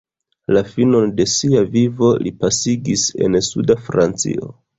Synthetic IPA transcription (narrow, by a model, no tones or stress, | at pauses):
lafino̞nde̞siavivo̞lʔipasiɡise̞̰nsudafɾant͡sḭo̞̰